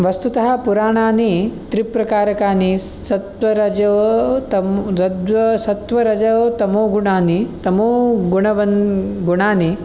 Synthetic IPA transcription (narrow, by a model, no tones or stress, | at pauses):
ʋɐst̪ut̪ɐɦɐpuɾaːɳaːnit̪ɾipɾɐkaːɾɐkaːni | sɐt̪ʋɐɾɐd͡ʒɐʋt̪ɐmɐd̪ʋɐsɐt̪ʋɐɾɐd͡ʒɐʋt̪ɐmoːɡuɳaːnit̪ɐmoːɡuɳɐʋɐnɡuɳaːni